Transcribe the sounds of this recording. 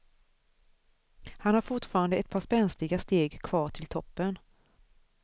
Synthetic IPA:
hanhaɾfʊʈfɑːɾand̪əɛt̪̚pʰɑːspɛnslɪɡast̪eːɡkʰv̥ɑːʈʰɪlt̪ʰɔpːən

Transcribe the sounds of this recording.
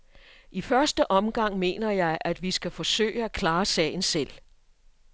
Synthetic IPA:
ʔifɶɐsd̥əʔɒ̽mɡ̥ɑ̈ŋ̰me̝̰ːnɐjɑ̈ɪʔæd̥ʋisɡ̥æfɒ̽sø̰ːɪəækʰlɑ̈ːsɛ̰ːɪn̩sel̰

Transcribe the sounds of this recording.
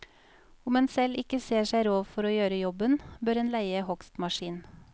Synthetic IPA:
ʊmɛnsɛlɪkəseːʃæɪɾoːʋfɔɾoːjøːɾəjɔbənbøːɾeːnlæɪəhɔkst̪mɑʃiːn

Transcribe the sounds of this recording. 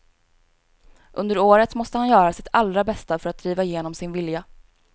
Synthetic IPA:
ʔɵnd̪əɾoːɾət̪mɔst̪əhanjœːɾasɪt̪ʰalɾabɛst̪afœɾat̪̚d̪ɾiːvaɪjeːnɔmsɪnvɪlja

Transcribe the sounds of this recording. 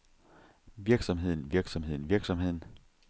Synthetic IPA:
ʋiɐɡ̥sɒ̽mɦe̝ð̞̰ˠn̩ʋiɐɡ̥sɒ̽mɦe̝ð̰ˠn̩ʋiɐɡ̥sɒ̽mɦe̝ð̰ˠn̩

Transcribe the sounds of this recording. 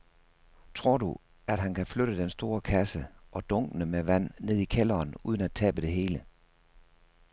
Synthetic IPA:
t͡sʰʁo̝ɐ̰d̥u | æd̥ɦænkʰæfløɾəd̥ensd̥o̝ːɐkʰæsəʔɒ̽d̥ɔ̽ŋ̰ɡ̥ənəmeʋæn̰ːe̝ð̞ˠikʰelɐːnuð̞ˠn̩æ̥t͡sʰɛ̰ːb̥əd̥e̝ɦe̝ːlə

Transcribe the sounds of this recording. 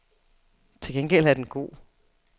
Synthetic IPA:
t͡sʰe̝lɡ̥enɡ̥el̰æɐd̥enɡ̥o̝̰ː

